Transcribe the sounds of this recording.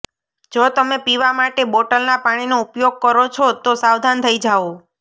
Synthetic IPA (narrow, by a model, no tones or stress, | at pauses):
d͡ʒot̪əmepiʋamaʈeboʈəlnapaɽ̃inoupjoɡ̚kəɾɔt͡ʃʰot̪osawd̪ʱant̪ʰəid͡ʒao